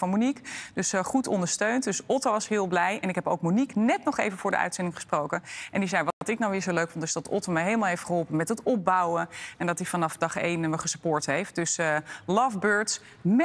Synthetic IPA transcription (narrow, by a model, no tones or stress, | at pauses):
fɑnmynikd̥ɵsχutɔ̰ndəɹstøɥntdɵsɔtoʋɑsɦɪːlˠblɛjɛnɪkɦɛpowkmyniknɛtnɔχḛjvənvʊːɹdə̰ʔœ̰ɥtsɛndɪŋχəsprowkənʔɛndizɛjʋɑɑtɪknawʋɪːɹzowløɥkfɔntɪzdɑtɔ̰toməjɦejlˠəmaːlˠɦejftχəɦɔlˠpənmɛtɦətɔp̚bawəɛndɑtifɑnɑfdɑχḛjnməχəsəpʊːɹtɦejft̚d̥ɵslɑfbøːɹts | m